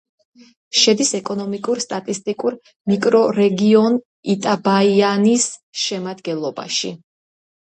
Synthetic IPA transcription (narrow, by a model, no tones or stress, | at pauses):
ʃɛd̪isɛkʼɔnɔmikʼuɾst̪ʼat̪ʼist̪ʼikʼuɾ | mikʼɾɔɾɛɡiɔn | it̪ʼabaianisʃɛmad̪ɡɛlˠɔba̰ʃi